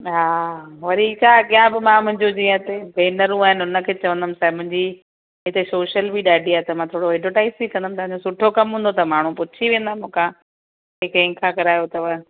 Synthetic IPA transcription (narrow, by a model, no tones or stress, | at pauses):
ɦaːʋɐɾikakijãbɪmãmʊ̃ɦɪ̃ɲd͡ʑod͡ʑiːə̃t̪ebeːnəɾũaːɦɪnɪʊnə̆kʰeːt͡ɕɐʋə̃nd̪əmsaːɪmʊ̃ɦɪ̃ɲd͡ʑi | ɦɪt̪esoːʃəlbʱiɗaːɖʱiaːet̪ɐmãːt̪ʰoːɽoɛɖoʈaːɪsikɐ̃nd̪əmɪ̆t̪ɐʋãɲd͡ʑosʊʈʰokɐmɦũːnd̪ot̪ɐmaːɳ̤ũpʊtt͡ɕʰiʋẽːnd̪amũːkã | ɦɪkɪ̃kʰãkɐɾaːjot̪ɐʋɐ